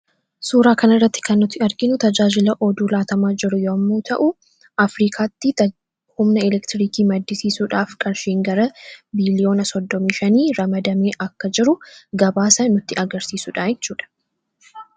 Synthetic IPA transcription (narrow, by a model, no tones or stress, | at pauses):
suːɾaːkɐnɐrːɐt̪ːɪ̥kɐnːʊt̪ːɪɐɾɡɪnʊt̪ɐd͡ʒaːd͡ʒɪlɐʔɔd̪uːlaːt̪ɐmaːd͡ʒɪɾʊjoːɐmːuːt̪ʰɐʔʊ | ɐfɾiːkʰaːt̪ːɪɐ | hʊmnɐɛlɛkt̪ɪɾiːkiːmɐd̪ːɪsiːsuːᶑaːfkʼɐnʃiːŋɡɐɾɐbilɪjo̞ːnɐsɔd̪ːɔmiːʃɐniːɾɐmɐd̪ɐmeːʔɐkːɐd͡ʒɪɾʊɡɐbaːsɐnʊt̪ːɪʔɐɡɐɾsiːsuᶑaːjɛt͡ʃːuːᶑɐ̥